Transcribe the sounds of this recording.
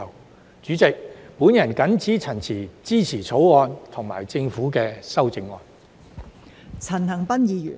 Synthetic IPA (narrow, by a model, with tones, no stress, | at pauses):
w | t͡ʃyː˨˥t͡sɪ˨k̚puː˨˥njɐ˨˩nkɐ˨˥nt͡sʰiː˨˥t͡sʰɐ˨˩nt͡sʰiː˨˩t͡siː˥t͡sʰiː˨˩t͡sʰo˨˥wɔː˧nt̪ʰʊ˨˩ŋma̰ː˨˩jt͡sɪ˧ŋfuː˨˥kɛː˧sɐ˥wt͡sɪ˧ŋɔː˧n | t͡sʰɐ˨˩nhɐ˨˩ŋpɐ˥njiː˨˧jy̰ː˨˩n